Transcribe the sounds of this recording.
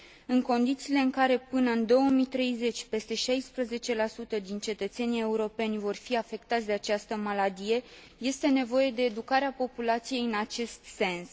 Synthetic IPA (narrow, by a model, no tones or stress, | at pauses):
ɨŋko̞nd̪it̪siːle̞ɨŋkaɾe̞pɨnəɨnd̪o̞wəmit̪ɾe̞jze̞t͡ʃʲpe̞st̪e̞ʃajspɾəze̞t͡ʃe̞lasut̪əd̪int͡ʃe̞t̪ət̪se̞nije̞uɾo̞pe̞nʲvo̞rfiafe̞kt̪at̪sʲd̪e̞at͡ʃast̪əmalad̪ije̞ | je̞st̪e̞ne̞vo̞je̞d̪e̞ːd̪ukaɾeapo̞pulat̪sije̞jɨnat͡ʃe̞st̪se̞ns